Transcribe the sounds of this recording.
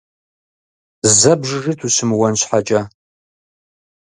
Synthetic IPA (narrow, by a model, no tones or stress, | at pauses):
zɐbʐʐɨtʰusɨmwɐnɕʰʷħat͡ʃʼa